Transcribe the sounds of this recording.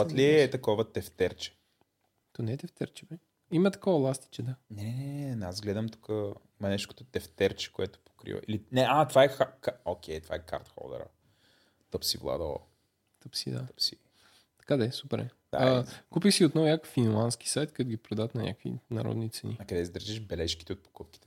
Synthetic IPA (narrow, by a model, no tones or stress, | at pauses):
ət̪liɛːt̪ɐkɔvət̪ɛft̪ɛɾt͡ʃɛ̥ | t̪onɛɛt̪ɛft̪ɛ̰ɾt͡ʃɛpɾɛ | imɐt̪ɐ̥kɔvɐlˠast̪i̥t͡ʃɛd̪anɛnɛnazɡlɛd̪əmt̪u̥kə | mɐnɛʃt̪ʊkə̥t̪ot̪ɛft̪ɛɾt͡ʃɛ̥koɛt̪ʊ̥po̥kɾḭvə̰ʔḭlinɛʔat̪vaɛxakaokʲʰɛjt̪va̰ɛka̰ɾt̪xɔ̰ld̪ɛ̰ɾə̰ | t̪əpsivlˠa̰d̪o̰ | t̪əpsḭd̪a̰əpsi | t̪ɐ̥kad̪aɛsupɛɾɛ | d̪a̰kupixsiot̪nɔvʊnʲakəfinlˠant̪skʲi̥sajt̪kat̪oɡʲipɾod̪aət̪nɐnʲɲʲʔa̰kvḭnɐ̰ɾɔ̰d̪nit̪sɛninɐkɐd̪ɛsid̪ɾʒɛʃbɛlɛʃki̥t̪ɛot̪̚po̥kup̚kʲi̥t̪ɛ̥